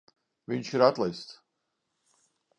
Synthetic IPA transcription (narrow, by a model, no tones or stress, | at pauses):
vʲiɲʃiɾat̪lˠɛjst̪s